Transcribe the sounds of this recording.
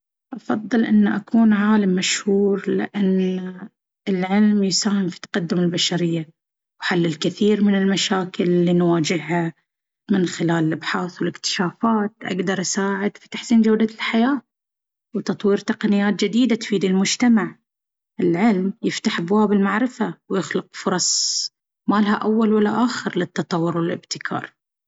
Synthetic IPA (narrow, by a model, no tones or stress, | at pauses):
ʔɑfɑðˤːɨlʔɪnːaʔakʰuːnʕaːlamːaʃhuːɾlɪ̰ʔanː | ɪlʕɪlmjʊsaːhɪmfi̥t̪ːḁqad̪ːʊmɪlbaʃaɾɪjːa | wħalːɪlkɪθiːɾmɪnɪlmaʃaːkɪllːiːnwaːd͡ʒɪhːa | mɪnxɪlaːlɪlʔabħaːθwɪlɪkt̪ɪ̥ʃaːfaːt̪̚ʔa̰ɡd̪ɑɾˤʔasaːʕɪd̪fi̥t̪aħsiːnd͡ʒawd̪alħajaː | wt̪ɑt̪ˤwiːɾt̪ɑqnɪjːaːt̪̚d͡ʒɪd̪iːd̪at̪fiːd̪ɪlmʊd͡ʒt̪amaʕ | ʔɪlʕɪlmjɪft̪aħʔabwaːbɪlmaʕɾɪfawjɪxlʊqfʊɾˤɑsˤ | maːlhaʔawːalwalːaʔaːxɪɾlɪt̪ːɑt̪ˤɑwːʊɾwɪlɪ̰bt̪ɪ̥kʰɑ̰ːɾˤ